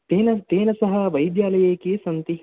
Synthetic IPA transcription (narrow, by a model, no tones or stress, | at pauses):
eːnɐt̪eːnɐsɐɦɐ̆ʋɐjd̪jaːlɐjeːkisɐnt̪i